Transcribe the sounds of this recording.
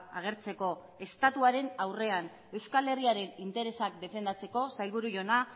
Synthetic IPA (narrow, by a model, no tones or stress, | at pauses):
aɣ̞e̞ɾt͡se̞ko̞ | e̞st̪at̪uaɾe̞nawre̞an | e̞wskale̞riaɾe̞nint̪e̞ɾe̞sak̚d̪e̞fe̞nd̪at͡se̞ko̞sajlβ̞uɾuʝo̞na